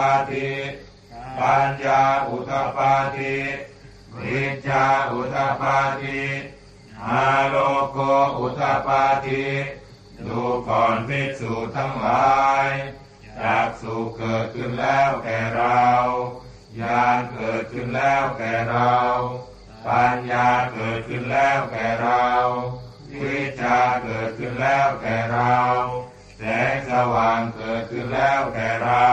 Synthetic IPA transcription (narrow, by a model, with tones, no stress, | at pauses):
a˧t̪ʰi˧t̚ | baː˧njaː˧ʔu˧˩t̪a˧paː˧t̪ʰi˧˥ | ti˧˩t̪̚jaː˧ʔu˧˩t̪ʰa˧paː˧t̪ʰi˧˥ | maː˧ɾo˧ko˧ʔu˧˩t̪a˧paː˧t̪ʰi˧˥ | d̪uː˨˩kʰɔː˨˩npʰi˧˥t̪̚suː˨˩t̪ʰa˧˥˩ŋlaː˨˦j | t͡ɕaː˨˩k̚suː˨˩kkːɤː˨˩t̪̚kʰɯ˧˥˩nlɛː˥˩wk̪ɛː˨˩ɾa˧w | jaː˧ŋkɤː˨˩t̪̚kʰɯ˧˥˩nlɛː˥˩wk̪ɛː˨˩ɾa˧w | paː˧njaaː˧kɤː˨˩t̪̚kʰɯ˧˩nlɛː˥˩wk̪ɛː˨˩ɾa˧w | wiː˦˧˥t̪̚t͡ɕaː˧kɤː˨˩t̪̚kʰɯ˧˥˩nlɛː˥˩wk̪ɛː˨˩ɾw | t͡ɕɛ˨˧˥sa˧waː˨˩ŋkɤː˨˩t̪̚kʰɯ˧˩nlɛː˥˩wk̪ɛː˨˩ɾa˧